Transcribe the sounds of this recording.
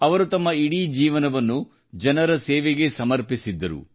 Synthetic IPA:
ɐʋɐɾut̪ɐmːɐiɽid͡ʒiːʋɐnɐʋɐnːu | d͡ʒɐnɐɾɐseːʋeɡe̞sɐmɐɾpisid̪ːɐɾṵ

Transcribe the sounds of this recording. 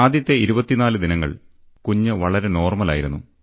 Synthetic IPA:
aːd̪ʱjɐt̪ːe̞iɾubɐt̪ːinaːlɨd̪inɐŋːɐ̰ɭ | kuɲːɨʋɐɭɐɾe̞no̞ːrmɐla̰ːjiɾunːu

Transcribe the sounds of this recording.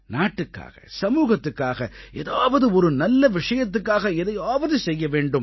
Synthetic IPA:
naːʈːɯkːa̰ːɣɐ̰sɐmuːɣɐt̪ːɯkːaːɣɐʔḛːðaːʋɐðɯɔɾɯnɐlːɐʋɪʂɐjɐt̪ːɯkːaːɣɐɪðɐjaːʋɐðɯsɛjːɐʋeːɳɖɯm

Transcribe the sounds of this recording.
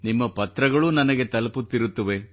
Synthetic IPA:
nimːɐpɐt̪ɾɐɡɐɭunɐnɐɡe̞t̪ɐlɐput̪ːiɾut̪ːɐʋe̞

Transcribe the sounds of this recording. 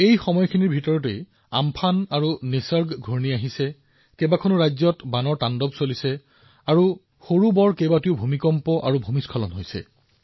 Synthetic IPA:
ejxɔmɔjɔkʰiniɹbʱitɔɹɔtej | a̰mpʰanaɹunisəɹɡɡʱoɹniaɦisɛ | kɛbakʰɔnʊɹajzɔtbanɔɹtandɔbsolisɛ | aɹu | xoɹubɔɹkejbatiʊbʱumikɔmpɔʔa̰ɹubʱumiskʰɔlɔnɦojsɛ̰

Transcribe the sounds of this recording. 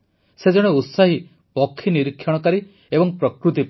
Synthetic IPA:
sed͡ʒɔɽ̃eut̪saɦi | pɔkʰːiniɾikʰːjɔɽ̃ɔkaɾi | ebɔŋpɾɔkɾut̪̬ip

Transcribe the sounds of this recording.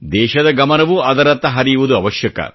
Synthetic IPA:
d̪ɛːʃɐd̪ɐɡɐmɐnɐʋuɐd̪ɐɾɐt̪ːɐɦɐɾijuʋud̪uɐʋɐʃjɐkɐ̰

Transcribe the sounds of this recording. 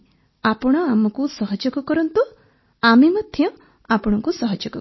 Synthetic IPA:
apɔɽ̃ɔamɔkusɔɦɔd͡ʒɔkɔkɔɾɔnt̪u | amemɔd̪ʱjɔ | apɔɽ̃ɔŋkusɔɦɔd͡ʒɔkɔ

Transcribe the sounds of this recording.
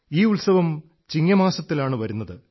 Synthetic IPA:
iːuɭsɐʋɐm | t͡ɕiŋːɐmaːsɐt̪ːilaːɳɨʋɐɾunːɐðɨ

